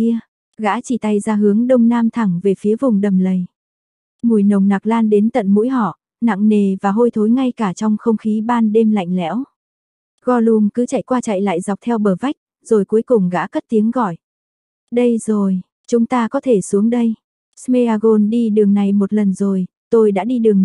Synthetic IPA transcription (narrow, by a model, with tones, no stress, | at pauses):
i˧ə | ɣa̰ː˧˥t͡ɕi˧˩t̪a˧jzaː˧ɦɨ˨˦əŋɗə˧wŋ͡mnaː˧mt̪ʰa˨˩ŋve˨˩fi˨˦əvʊ˨˩ŋ͡mɗə˨˩mlə˨˩j | ŋu˨˩jnə˨˩wŋ͡mna˨˩k̚laː˧nɗe˨˦nt̪ə̰˧˨nmṵ˧˥jɦɔ̰˧˨ | na̰˧˨ŋne˨˩vaː˨˩ɦo˧jt̪ʰo˨˦jŋa˧jkaː˧˩t͡ɕɔ˧wŋ͡mxə˧wŋ͡mxi˨˦ɓaː˧nɗe˧mla̰˧˨jŋ̟lɛ̰˧˥w | ɣɔ˧˩lu˧˩əŋkɨ˨˦t͡ɕa˧˨jkwaː˧t͡ɕa̰˧˨jla̰ː˧˨jza˨˩wk͡p̚t̪ʰɛ˧wɓəː˧˩va˦˥jk̟̚ | z̥o˨˩jku˨˦jkʊ˨˩ŋ͡mɣa̰ː˧˥kə˦˥t̚t̪i˨˦əŋɣɔ˧˨j | ɗə˧jzo˨˩j | t͡ɕʊ˨˦ŋ͡mt̪aː˧kɔ˨˦t̪ʰe˧˩su˨˦əŋɗə˧j | sme˧aː˧ɣo˧nɗi˧ɗɨ˨˩əŋna˨˩jmo˨˩t̚lə˨˩nzo˨˩j | t̪o˧jɗa̰ː˧˥ɗi˧ɗɨ˨˩əŋ